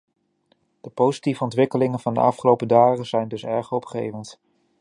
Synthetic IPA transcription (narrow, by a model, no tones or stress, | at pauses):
d̥əpowzitivəɔntʋɪkəlɪŋənvɑndə̰ʔɑfχəlowpədaːχəzɛjndɵsɛɹχɔpχḛjvənt